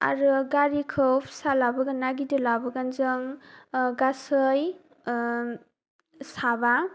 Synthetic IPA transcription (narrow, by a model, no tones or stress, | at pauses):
a̰ɾuɡaɾikʰɯpʰsalabɐɡanːaɡidɯlabɯɡanzɯŋɡasɯj | saba